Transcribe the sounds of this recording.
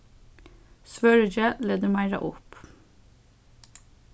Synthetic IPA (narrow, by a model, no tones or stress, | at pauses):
sʋøːɹəd͡ʒəleːd̪əmæɪɾɑ̰ʔʊ̰p